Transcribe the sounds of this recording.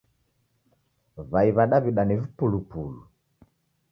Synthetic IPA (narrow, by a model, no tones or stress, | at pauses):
βaiβaɗaβiɗanivipulupulu